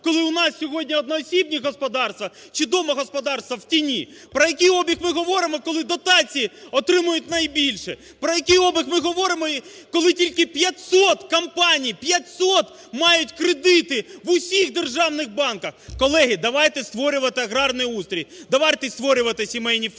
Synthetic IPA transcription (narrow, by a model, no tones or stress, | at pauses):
kɔlˠɪʊnɑssʲɔɦɔdʲnʲiɔd̪nɔɔsʲib̚nʲiɦɔspɔd̪ɑrst̪ʋɐ | t͡ʃɪd̪ɔmɐɦɔspɔd̪ɑrst̪ʋɐwtʲinʲi | pɾɔjɐkijɔbʲixmɪɦɔʋɔɾɪmɔkɔlˠɪd̪ɔt̪ɑt͡sʲijiɔt̪ɾɪmʊjʊtʲnɐjbʲilʲʃɛ | pɾɔjɐkɪjɔbʲɪxmɪɦɔʋɔɾɪmɔi | kɔlˠɪtʲilʲkɪpʲjɐtʲsɔt̪kɐmpɑnʲijpʲjɐt̪ʲsɔt̪ | mɑjʊtʲkɾed̪ɪt̪ɪʋʊsʲixd̪erʒɑwnɪxbɑnkɐxkɔlˠɛɦɪd̪ɐʋɑjt̪ɛst̪ʋɔɾʲʊʋɐt̪ɪɐɣɾɑrnʊjiust̪ɾʲijʲd̪ɐʋɑjt̪ɪst̪ʋɔɾʲʊʋɐt̪ɪsʲimɛjnʲi